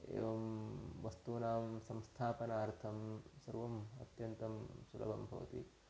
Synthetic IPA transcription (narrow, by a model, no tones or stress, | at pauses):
ḛːʋɐmʋɐst̪uːnaːmsɐ̃mst̪ʰaːpɐnaːɾt̪ʰɐmsɐɾʋɐmɐ̰t̪jɐnt̪ɐmsulɐ̰bʱɐ̰mbʱɐ̰ʋɐ̰t̪ḭ